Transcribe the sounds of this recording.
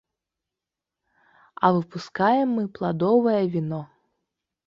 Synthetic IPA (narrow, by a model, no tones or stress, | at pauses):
ɐvɨpuskajɛmːɨplˠad̪ɔvɐjɐvʲinɔ